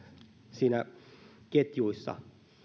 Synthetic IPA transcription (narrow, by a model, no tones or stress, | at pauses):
siːnæ | ket̪juisːɑ̰